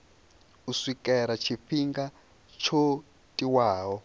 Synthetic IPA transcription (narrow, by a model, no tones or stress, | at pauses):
uswikʼɛɾat͡ʃʰifiŋɡa | t͡ʃʰo | tʼiwaːɦɔ